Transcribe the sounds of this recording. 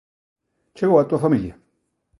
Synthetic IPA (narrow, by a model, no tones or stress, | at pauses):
t͡ʃeawatʷafamijia